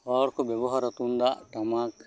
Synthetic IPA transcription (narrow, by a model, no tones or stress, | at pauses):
hɔːɽkobeboɦɐɾɐt̪und̪aʈɐmaːk